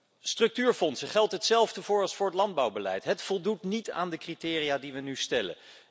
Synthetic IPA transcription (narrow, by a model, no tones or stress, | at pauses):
strɵk̚tyːɹfɔnsəχɛlˠtɦətsɛlˠvdəvʊːɹɑlˠsfʊːɹətlɑnd̚bɑwbəlɛ̰jtɦətfɔlˠdutnita̰ːndəkritɪːrijaːdiʋənystɛlə̰